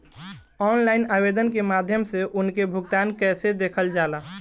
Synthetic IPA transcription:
ɔːnlaɪnaːbed̪ənkemaːd̪ʱjəmseʔʊnkebʱʊɡt̪aːnkɛːsed̪eːkʰəld͡ʒaːla

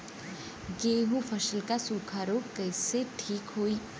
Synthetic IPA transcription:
ɡeɦũpʰəsəlkasuːkʰaɾokəjseʈʰiːkɦoːi

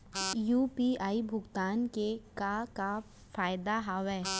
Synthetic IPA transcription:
juːpiaːibʱʊɡt̪aːnkekaka | faːjd̪aɦaʋɛː

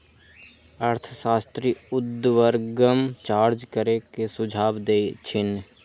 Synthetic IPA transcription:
əɾt̪ʰəsaːst̪ɾiːʊd̪ʋəɾɡəmt͡ʃaːɾd͡ʒkəɾekesʊd͡ʒʱaːbd̪eːt͡ʃʰɪn

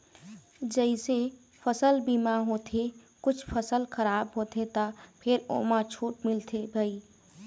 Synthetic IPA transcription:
d͡ʒəɪse | pʰəsəlbiːmaɦoːt̪ʰe | kʊt͡ʃʰpʰəsəlkəɾaːbɦoːt̪ʰet̪apʰɪɾo̰ːmãt͡ʃʰuːʈmɪlt̪ʰebʱai

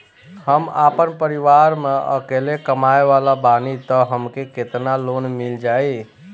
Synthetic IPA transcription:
həma̰pənpəɾiʋaɾmeə̰kelekəmaeβalabanit̪əɦəmkeket̪nalonmild͡ʒaj

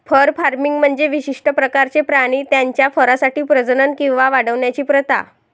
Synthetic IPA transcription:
fəɾfaɾmiŋɡm̤əɳd͡zeʋiɕiʂʈəpɾəkaɾt͡sepɾaɽ̃iːt̪jaɲt͡ɕjafəɾasaʈiːpɾəd͡znənkĩw̃ʋaʋaɽəʋɳjat͡ɕiːpɾət̪a̰

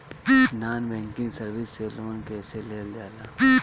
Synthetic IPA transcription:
naːnbɛ̃ːŋkɪ̃ŋɡsɐɾʋɪsːeloːnkɛːseleːld͡ʒaːlaː

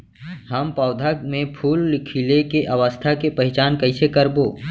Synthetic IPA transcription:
həmpɔːd̪ʱamẽpʰuːlːɪkʰilekeʔɐʋəst̪ʰakepɐɦɪt͡ʃaːnkəɪsekəɾboː

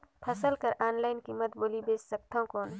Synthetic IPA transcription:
pʰɐsəlkəɾʔaːnlaːɪnkimət̪boːlibeːssɐk̚t̪ʰõkoːn

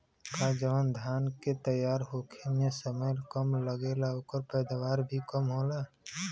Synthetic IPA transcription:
kad͡ʒəʋənd̪ʱaːnket̪əjaːɾɦoːkʰemesəməjlkəmləɡeːlaoːkəɾpɛːd̪aʋaːɾbʱikəmɦoːla

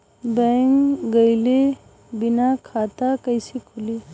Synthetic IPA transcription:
bɛŋkɡəjle | binakʰat̪akəjsikʰʊli

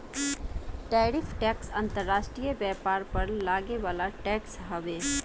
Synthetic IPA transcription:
ʈɛːɾɪfʰʈɛːksə̃nt̪əɾːaːʃʈɾijəbɛːpaːɾpɐɾlaːɡeʋaːlaʈɛːksɦɐʋeː

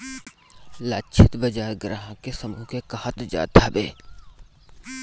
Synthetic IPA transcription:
laːt͡ʃʰɪt̪bəd͡ʒaːeɡɾãːɦãkesəmuːkekəhət̪d͡ʒa̰ːd̪abeː

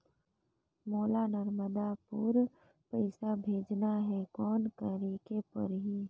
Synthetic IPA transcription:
moːlanəɾməd̪apuːɾ | pəɪsabʱeːd͡ʒnaɦɛkɔːnk̪əɾiːkepɐ̰ɾɦiː

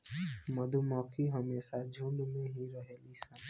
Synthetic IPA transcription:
məd̪ʱumɔːkʰiɦəmeːsad͡ʒʱuːnmẽɦiɾəɦeːlisa

